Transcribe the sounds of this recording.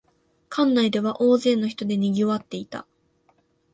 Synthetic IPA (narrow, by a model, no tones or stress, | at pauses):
kʰãnːaid̪e̞βaʔo̞ːze̞ːno̞çi̥t̪o̞d̪e̞ɲ̟ʲiɡʲioβat̪ːe̞it̪a̰